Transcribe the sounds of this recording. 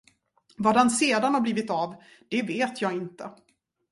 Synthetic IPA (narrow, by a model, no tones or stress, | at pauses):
vaːd̪anseːd̪anhaɾbliːvɪt̪av | d̪̥ɛveːt̪ʰjɑːɡɪnt̪ə